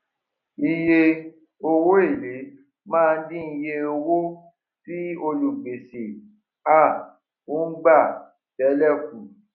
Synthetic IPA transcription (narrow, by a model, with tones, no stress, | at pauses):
i˧je˧ | o˧wo˦e˦˨le˨˦ | mãː˦˧n̩˦dĩ˦˧je˧o˧wo˦ | si˦o˧lu˨ɡ͡be˨si˨ | a˦˨ | o˨˦n̩˦ɡ͡ba˦˨ | bɛ˨˦lɛ˦˨fũ˨˦